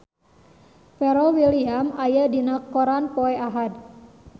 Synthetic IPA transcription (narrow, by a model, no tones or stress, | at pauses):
pɛɾɔwiliamajadinakɔɾanpɔɛʔaɦad̪